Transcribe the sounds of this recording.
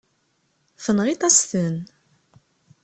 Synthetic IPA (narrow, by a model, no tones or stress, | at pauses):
fənʁit̪ˤɑsθən